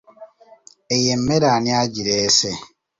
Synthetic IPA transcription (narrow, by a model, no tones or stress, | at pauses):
ejem̩meɾaniaɟiɾese